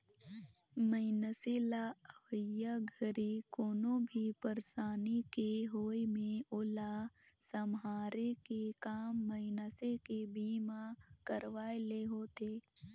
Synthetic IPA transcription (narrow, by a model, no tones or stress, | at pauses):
məɪnəselaəʋəjaɡʱəɾikoːnõbʱipəɾsaːnikeɦoːimẽʊlasəmɦaːɾekekaːmːəɪnəsekebiːmakəɾʋaːeleɦoːt̪eː